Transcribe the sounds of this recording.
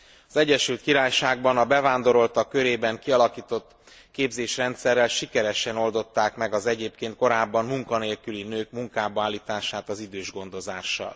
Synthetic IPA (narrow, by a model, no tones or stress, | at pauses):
ɒzɛɟːɛʃylt̪̚kiɾaːjʃaːɡ̚bɒnɒbɛvaːnd̪o̞ɾo̞lt̪ɒkːø̞ɾeːbɛŋkiɒlɒkiːt̪o̞t̪ː | keːbzeːʃrɛnt̪sɛrːɛlʃikɛɾɛʃɛno̞ld̪o̞t̪ːaːkmɛɡɒzɛɟeːp̚keːnt̪̚ko̞ɾaːbːɒmmuŋkɒneːlkylinøːkmuŋkaːbɒaːlːiːt̪aːʃaːt̪ɒzid̪øːʒɡo̞nd̪o̞zaːʃːɒ̰l